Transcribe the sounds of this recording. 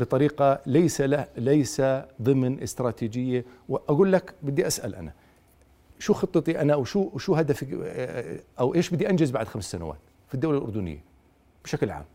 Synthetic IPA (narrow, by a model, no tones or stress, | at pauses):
bɨt̪ˤɑɾiːqɑlajsaalajsaðˤɨmnʔɪst̪ɾɑːt̪iːd͡ʒɪjːawʔaɡuːlːakbɪd̪ːiʔasʔa̰lʔa̰na | ʃuːxɨt̪ˤːɨt̪ˤiʔanaʔwʃuʃuːɦad̪afi | ʔawʔeːʃbɪd̪ːiʔand͡ʒɪzbaʕd̪xamssana̰wa̰ːt̪ | fid̪ːawlalʔʊ̰ɾd̪ʊnɪ̰jːa̰ | b̥ɪʃaklʕa̰ːm